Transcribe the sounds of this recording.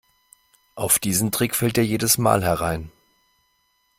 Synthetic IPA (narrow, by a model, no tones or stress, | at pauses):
ʔaʊfd̥iːzn̩tʁ̥ɪkfɛltʔeːɐjeːdəsma̰ːlɦɛɐʁaɪn